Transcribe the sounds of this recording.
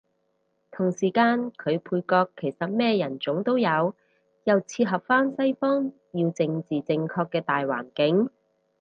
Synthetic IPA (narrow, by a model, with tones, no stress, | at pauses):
t̪ʰʊ˨˩ŋsiː˨˩kaː˧nkʰɵ˨˧ɥpʰuː˧jkɔː˧kʰːe˨˩jsɐ˨t̚mɛː˥jɐ˨˩nt͡sʊ˨˥ŋt̪o˥wjɐ˨˧w | jɐ˨wt͡sʰiː˧t̚ɦɐ˨p̚faː˥nsɐ˥jfɔː˥ŋ | jiː˧wt͡sɪ˧ŋt͡siː˨˩t͡sɪ˧ŋkʰɔː˧kːɛː˧t̪aː˨jwa̰ː˨˩nkɪ˨˥ŋ